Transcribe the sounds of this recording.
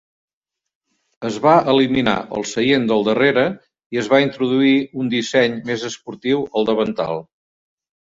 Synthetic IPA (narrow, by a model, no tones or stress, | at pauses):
əzβaəlimina̰ʔə̰lˠsəjend̪əlˠd̪əreɾə | iəzβaint̪ɾuðuiund̪isɛɲmezəspuɾt̪iwəlˠd̪əβənt̪a̰lˠ